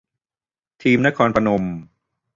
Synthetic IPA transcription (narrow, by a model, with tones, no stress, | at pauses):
t̪ʰiː˧mna˦˥kʰɔː˧npʰa˧no˧m